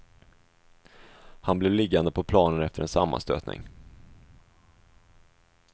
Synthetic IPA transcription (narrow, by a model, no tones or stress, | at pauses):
hanblɛvlɪɡːand̪əpʰɔpʰlɑːnənɛft̪əɾɛnsa̰mːa̰st̪ø̰ːt̪nɪ̰ŋ